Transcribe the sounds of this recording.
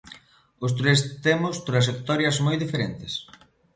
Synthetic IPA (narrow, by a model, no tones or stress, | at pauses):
ʊs̬t̪ɾest̪emʊst̪ɾaʃ̬ek̚t̪ɔɾjɐzmojðifeɾent̪ɪs